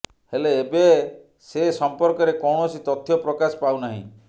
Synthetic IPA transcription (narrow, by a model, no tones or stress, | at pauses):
heleːbe | sesɔmpɔɾkɔɾekɔwɳɔsit̪ɔt̪ʰːjɔpɾɔkasɔpawnaɦḭ̃